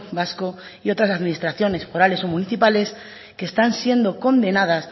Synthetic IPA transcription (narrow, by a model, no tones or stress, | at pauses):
basko̞ | io̞t̪ɾasaðminist̪ɾaθjo̞ne̞sfo̞ɾale̞so̞muniθipale̞s | keːst̪ansje̞nd̪o̞ko̞nd̪e̞nað̞as